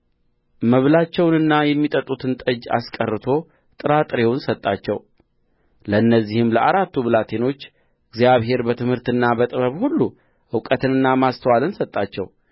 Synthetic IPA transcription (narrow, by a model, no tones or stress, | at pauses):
məβlat͡ʃːɛwnɨnːajɛmːit̪ʼət̪ʼːut̪ʰɨnt̪ʼəd͡ʒːa̰skʼərːɨt̪ʰo̞ | t̪ʼɨɾat̪ʼɨɾe̞wnsət̪ʼːat͡ʃːɛ̰w | ləɨnːəzːihɨmləʔaɾat̪ʰːublat̪ʰe̞no̞t͡ʃː | ɨɡzijaβɦe̞ɾbət̪ʰɨmhɨɾt̪ɨnːabət̪ʼɨβəβhulːu | ʔɨwkʼət̪ɨnɨnːamast̪ʰəwalɨnsət̪ʼːat͡ʃːɛ̰w